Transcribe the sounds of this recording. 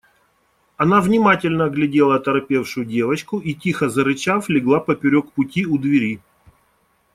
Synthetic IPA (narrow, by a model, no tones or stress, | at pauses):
ɐnavnʲɪmatʲɪlʲnəɡlʲɪdʲelˠət̪ɐɾɐpʲe̞fʂʊjʊdʲe̞vət͡ɕkʊʔitʲixəzəɾɨt͡ɕaflʲɪɡlˠapəpʲɪɾʲokpʊtʲiʊd̪vʲɪɾʲi